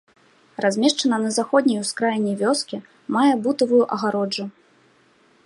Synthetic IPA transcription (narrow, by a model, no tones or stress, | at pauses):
razʲmʲɛʂt͡ʂɐnɐnɐzaxɔd̪ʲnʲɐjuskɾajnʲɛvʲɔskʲi | majɛbut̪ɐvujuʔɐɣaɾɔd͡ʐu